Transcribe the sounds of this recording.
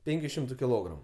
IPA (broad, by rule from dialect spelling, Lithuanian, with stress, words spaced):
ˈpʲɛŋʲkʲʊ ˈʃʲɪmtʊ kʲɪˈlˠoːɡrɐmʊ